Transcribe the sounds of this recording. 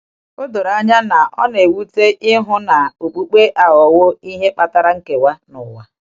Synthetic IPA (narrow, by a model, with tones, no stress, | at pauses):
o˦do˨ɾa˦ɲa˦na˨ʔɔ˦ne˨wu˦te˦ʔɪ˦ɦʊ˦na˨o˨k͡pu˦k͡pe˦ʔa˨ɣɔ˨wo˦i˦ɦe˦k͡pa˦ta˦ɾa˦ŋ̩˦ke˨wa˦nʊ˨wa˦